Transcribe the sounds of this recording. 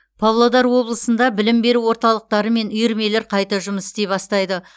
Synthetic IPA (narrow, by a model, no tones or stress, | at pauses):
pʰɑwlˠod̪ɑɾwo̞blˠəsənd̪ɑbɪlɪmbe̞ɾuwo̞ɾt̪ɑlˠəq̚t̪ɑɾəme̞nʊjɪɾme̞le̞ɾqʰɑjt̪ɑʒʊməsɪ̥t̪epɑst̪ɑjd̪ə